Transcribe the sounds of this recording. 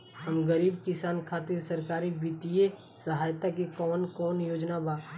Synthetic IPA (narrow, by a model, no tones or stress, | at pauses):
ɦəmɡəɾiːbkɪsaːnkʰaːt̪ɪɾsəɾkaːɾibit̪ie | səɦaːjt̪akikɔːnkɔːnjoːd͡ʒnabaː